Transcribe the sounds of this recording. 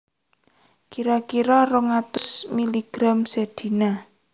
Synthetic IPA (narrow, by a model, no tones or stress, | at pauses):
kiɾɔkiɾɔrʊŋat̪ʊsmiliɡ̥ɾamsed̪̥i̤na